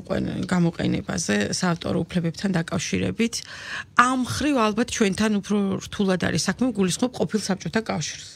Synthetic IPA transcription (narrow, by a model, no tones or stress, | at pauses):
qʼwɛ̰ɡamɔqʼɛ̰nɛ̰ba̰zɛsaːft̪ʼɔ̰ɾɔupʰlɛbɛp̚t̪ʰand̪akʼafʃiɾɛ̰bit̪ʰamχɾivalˠbat̪ʰt͡ʃʰwɛnt̪ʰanupʰɾɔɾt̪ʰulˠad̪a̰ɾisakʰmɛmɡulisχmɔp̚qʼɔpʰilˠsap̚t͡ʃʼɔt̪ʰakʼafʃiɾs